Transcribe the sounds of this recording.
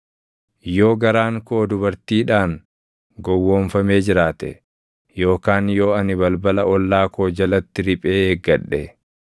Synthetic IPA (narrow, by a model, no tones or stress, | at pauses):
joːɡɐɾaːŋko̞ːd̪ʊβɐɾt̪iːᶑaːŋ | ɡɔwːoːɱfɐme̞ːd͡ʒɪɾaːt̪ɛ | jo̞ːkaːnjo̞ːɐnɪβɐlbɐlɐɔlːaːkoːd͡ʒɐlɐt̪ːɪɾɪpʼe̞ːeːɡːɐᶑːɛ